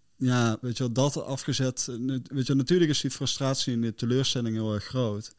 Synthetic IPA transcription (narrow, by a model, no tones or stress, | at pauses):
jaːʋejtəʋɛlˠdɑtɑfχəzɛtʋejtəʋɛlˠnatyːləkɪsdifrɵstraːtsiɪndətəløːɹstɛlɪŋɦɪːlˠɛɹxrowt